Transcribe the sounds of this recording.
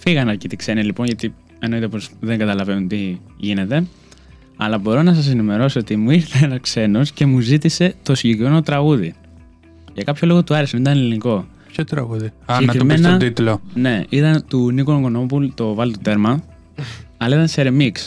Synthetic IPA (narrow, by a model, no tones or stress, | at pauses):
fiɣɐnɐɾcit̪ikse̞nilipo̞nʝɐt̪i | e̞no̞it̪e̞po̞sðeŋɡɐt̪ɐlɐve̞nunt̪iʝine̞t̪e̞ | ɐ̰lɐbo̞ɾo̞nɐs̬ɐs̬e̞nime̞ɾo̞soot̪imuiɾθeenɐskse̞no̞sce̞muzit̪ise̞t̪o̞siɲɟe̞kɾime̞no̞t̪ɾɐɣuði | ʝɐkɐpço̞lo̞ɣot̪uɐɾesɐnit̪ɐneliniko̞ | pçot̪ɾɐ̰ɣuðiɐsenɐtkime̞snɐot̪it̪lone̞it̪ɐnt̪unikooŋɡo̞no̞pult̪o̞vɐlt̪ot̪e̞ɾmɐ | ɐlɐit̪ɐnseɾemiks